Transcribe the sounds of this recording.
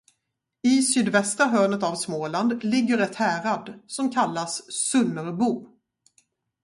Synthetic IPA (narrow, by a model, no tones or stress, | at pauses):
ɪsyːd̪vɛst̪ɾaɦœːnət̪avsmoːland̪lɪɡːəɾɛt̪hæːɾad̪sɔmkʰalːasːɵnːəɾbuː